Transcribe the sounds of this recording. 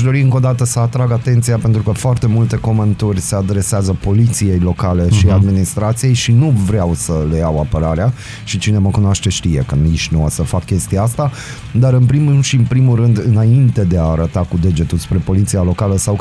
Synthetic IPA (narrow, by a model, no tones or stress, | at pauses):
ʃd̪o̞ɾiɨŋko̞d̪at̪əsəat̪ɾaɡat̪e̞nt̪sijape̞nt̪ɾukəfoart̪e̞mult̪e̞ko̞ment̪urʲsead̪ɾe̞seazəpo̞lit̪sije̞jlo̞kale̞ʃiad̪minist̪ɾat̪sije̞jʃinuvɾeawsəlejawapəɾaɾea | ʃit͡ʃine̞məkunwaʃt̪e̞ʃt̪ije̞̰kəniʃnuasəfakːʲe̞st̪ijaast̪a | d̪aɾɨnpɾimʃiɨnpɾimulrɨnd̪ɨnaint̪e̞d̪e̞aːɾət̪akud̪e̞d͡ʒe̞t̪ulspɾe̞po̞lit̪sijalo̞kaləsaw